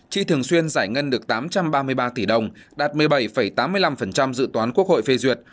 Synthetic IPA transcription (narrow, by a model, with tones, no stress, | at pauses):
t͡ɕḭ˧˨t̪ʰɨ˨˩əŋswi˧ənzaː˧˩jŋə˧nɗɨ˨˩ək̚t̪aː˨˦mt͡ɕa˧mɓaː˧mɨ˧əjɓaː˧t̪i˧˩ɗə˧˩wŋ͡mɗaː˨˩t̚mɨ˨˩əjɓə˧˩jfə˧˩jt̪aː˨˦mːɨ˧əjla˧mfə˨˩nt͡ɕa˧mzɨ̰˧˨t̪waː˨˦nku˦˥ək̚ho̰˧˨jfe˧zwi˨˩ət̚